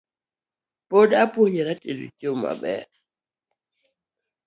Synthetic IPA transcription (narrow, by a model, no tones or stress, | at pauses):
podapwoɲeɾatedṵt͡ʃoma̰bɛ̰